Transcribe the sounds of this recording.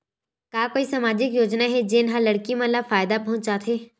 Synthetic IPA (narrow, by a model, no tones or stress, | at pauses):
kaːkoːisaːmaːd͡ʒɪkjoːd͡ʒnaɦɛd͡ʒeːnɦãlɐɽkimãlafaːjd̪apɐɦʊ̃t͡ʃt͡ʃaːt̪ʰeː